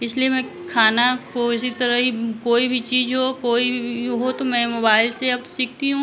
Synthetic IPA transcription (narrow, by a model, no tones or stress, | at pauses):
ɪsliemɛ̃ | kʰaːnakoɪsit̪ɐɾəɦikoːibʱit͡ʃiːzɦokoːiɦot̪omɛ̃moːbaːɪlseɐb̚t̪o̥siːk̚ʰt̪iɦũ